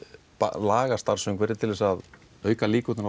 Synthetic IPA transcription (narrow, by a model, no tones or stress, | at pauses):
pa̰laːɣast̪aɾ̥sʏmkvɛːɾðɪt̪ʰɪlvɛsað | œːɥkaliːkɔt̪ɪna